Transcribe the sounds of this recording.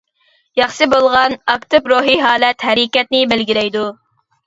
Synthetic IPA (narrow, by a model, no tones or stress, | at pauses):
jɑχʃɨbolˠʁɑnɑkt̪ʰɨpɾoɦiɦɑːlɛt̪hæɾɪkʲɛt̪̚nɪbɪlɡʲiɾɛjd̪u